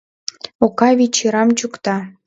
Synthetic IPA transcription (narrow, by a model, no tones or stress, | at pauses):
okɑβʲit͡ɕiɾɑmt͡ɕukt̪ɑ